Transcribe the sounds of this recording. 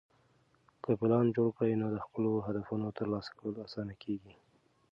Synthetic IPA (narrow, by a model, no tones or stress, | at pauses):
kəpɪlɑnd͡ʒoɽkəwinod̪əxpəloɦad̪afunot̪əɾlɑsḁkawəlasɑnakʰeɡi